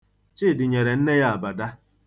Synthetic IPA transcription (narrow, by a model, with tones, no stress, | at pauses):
t͡ʃɪ˦˨dɪ˨ɲe˨ɾe˨n̩˦ne˦ja˦a˨ba˨da˦